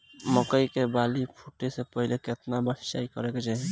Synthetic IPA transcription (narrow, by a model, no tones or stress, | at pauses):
məkəikebalipʰuʈesepəɦɪleket̪nabast͡ʃa̰ikəɾɛked͡ʒaːɦi